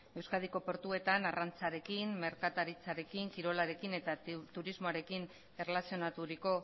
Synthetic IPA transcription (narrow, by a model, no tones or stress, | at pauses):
e̞wskað̞iko̞po̞ɾt̪ue̞t̪anarant͡saɾe̞kinme̞ɾkat̪aɾit͡saɾe̞kiŋkiɾo̞laɾe̞kine̞t̪at̪uɾizmo̞aɾe̞kin | e̞relasio̞nat̪uɾiko̞